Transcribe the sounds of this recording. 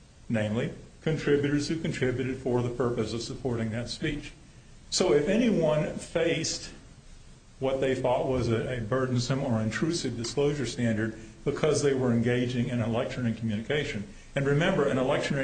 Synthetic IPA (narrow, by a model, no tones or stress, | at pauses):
nẽɪ̃mlikʰɨ̃ntʰɹ̥ɪbjʉɾə˞z̥hʉkɨ̃ntʰɹ̥ɪbjʉɾɨd̥fə˞ðəpʰɜ˞pɨsʌv̥səpʰɔɹɾɪ̃ŋðɨtspit͡ʃ | soʊɨfɛniwʌ̃nfeɪst̚ | wʌt̪̚ðeɪθɔt̚wʌzɨɨbɜ˞dⁿn̩sə̃mə˞ɨ̃ntʰɹ̥ʉsɨvdɨskloʊʒə˞stæ̃ndə˞d̚bɨkʰʌzðeɪwə˞ɨ̃nɡeɪd͡ʒɪ̃ŋɨ̃nəlɛk̚tʰɹɛɹĩkʰmjʉñɨkʰeɪʃɨ̃n | ɨ̃nɹɨmɛ̃mbə˞ɨ̃nəlɛkʃɨ̃nɛ